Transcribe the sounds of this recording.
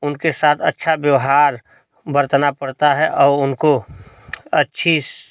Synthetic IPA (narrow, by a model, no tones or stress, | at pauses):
ʊnkesaːt̪ʰɐ̰tːʃʰabjəʋɦaːɾ | bɐɾt̪napɐɽt̪aɦɛʔɔːɾʊnko | ɐtːʃʰi